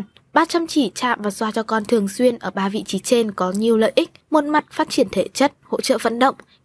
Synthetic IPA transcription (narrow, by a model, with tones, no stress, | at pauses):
ɓaː˧t͡ɕa˧mt͡ɕi˧˩t͡ɕa̰ː˧˨mvaː˨˩swaː˧˩t͡ɕɔ˧kɔ˧nt̪ʰɨ˨˩əŋswi˧ənʔəː˧˩ɓaː˧vḭ˧˨t͡ɕi˨˦t͡ɕe˧nkɔ˨˦ɲi˨˩əwlə̰ː˧˨jʔi˦˥k̟̚mo˨˩t̚ma˨˩t̚faː˦˥t̚t͡ɕi˧˩ənt̪ʰe˧˩t͡ɕə˦˥t̚ho̰˧˥t͡ɕə̰ː˧˨və̰˧˥nɗə̰˧˨wŋ͡m